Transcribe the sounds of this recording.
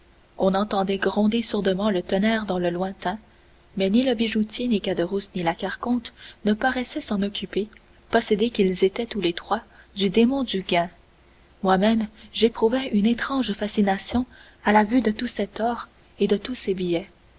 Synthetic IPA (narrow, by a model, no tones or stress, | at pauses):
ɔ̃nɑ̃t̪ɑ̃d̪ɛɡʁɔ̃d̪esuʁd̪əmɑ̃lət̪ənɛːʁd̪ɑ̃ləlwɛ̃t̪ɛ̃ | mɛniləbiʒut̪jenikad̪əʁusnilakaʁkɔ̃t̪nəpaʁɛsɛsɑ̃nɔkʲype | pɔsed̪ekʲilzet̪ɛt̪ulet̪χwad̪yd̪emɔ̃d̪yɡʲɛ̃ | mwamɛmʒepχuvɛʔynet̪χɑ̃ʒfasinasjɔ̃ | alavyd̪ət̪usɛt̪ɔːʁ | ed̪ət̪usebijɛ